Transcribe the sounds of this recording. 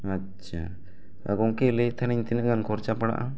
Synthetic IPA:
a | t͡ʃʰa̰ | a̰ɡɔŋkelɛt̪ʰaniɲt̪inəʔɡankʰɔɾt͡ʃapaɽa̰ʔa

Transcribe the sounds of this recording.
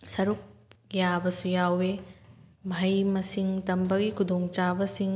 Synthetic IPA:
sɐɾuk̚jabɐsujawe | bʱɐjmɐsiŋtɐmbɐɡikʰudoŋt͡ʃabɐsiŋ

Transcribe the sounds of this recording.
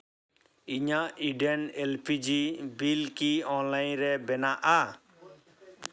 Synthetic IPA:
iɲaiɖɛnɛlpʰid͡ʒibilkiɔ̃nlajnɾɛbɛnaʔa

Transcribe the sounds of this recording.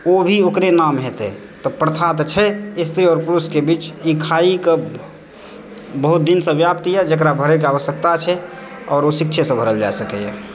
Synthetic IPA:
obʱiokɾenamɦet̪ḛ | t̪ɔpɾət̪ʰat̪t͡ʃʰɛist̪ʰɾiɔːɾpuɾuskebiːt͡ʃikʰaike | bəɦut̪̚d̪insə̃ʋjap̚t̪ijɛd͡ʒəkɾabʱəɾɛk̬eaʋəsjək̚t̪at͡ʃʰɛ | ɔːɾosɪkt͡ʃʰesə̃bʱəɾəld͡ʒa̰esəkɛjɛ̰

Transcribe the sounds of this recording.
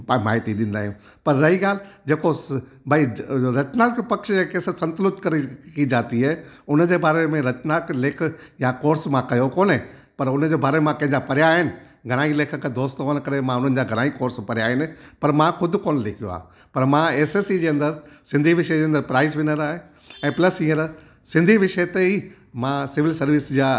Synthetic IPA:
maːɦɪt̪iɗɪ̃ːnd̪aːɦijũː | pɐɾːɐɦiɠaːld͡ʑeːko | bʱaiɾɐt͡ɕnaːkopɐkʃekeːsəɾsɐ̃nt̪lʊt̪kɐɾikid͡ʑaːt̪iɦɛː | ʊnd͡ʑeːbaːɾemẽɾɐt͡ɕnaːkleːkʰjakoːɾsmãkɐjokoːnɛ | pɐɾʊnd͡ʑeːbaːɾememãkɐ̃ɦɪ̃d͡ʑapɐɾjaːɦɪnɪ̆ | ɡʱɐñaːileːkʰə̆kʰed̪oːst̪koːñkɐɾemãʊn̤ənɪ̆d͡ʑaɡʱɐɽ̃aːikoːɾspɐɾjaːɦɪnɪ̆pɐɾmãxʊd̪ʱkoːnlɪkʰijo̰a̰ː | pɐɾmãeːseːsid͡ʑeːɐ̃nd̪əɾsɪ̃nd̪ʱiʋɪʃəd͡ʑeːɐ̃nd̪əɾpɾaːɪzʋɪnəɾaːɦe | ɛ̃ːplɐsĩːəɾ | sɪ̃nd̪ʱiʋɪʃət̪ei | mãsɪʋɪlsɐɾʋɪsd͡ʑaː

